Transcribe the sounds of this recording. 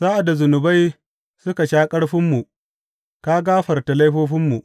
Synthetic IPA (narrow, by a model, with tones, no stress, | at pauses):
z̥a˦ʔa˨da˨zʊ˨nʊ˨ba˦j | sʊ˦ka˨ʃaː˦kʼɐ˦ɽɸɪ˦mːu˨ | ka˦ɡaː˦ɸɐ˨rta˨la˦jɸoː˦ɸɪ˦mːu˨ʔ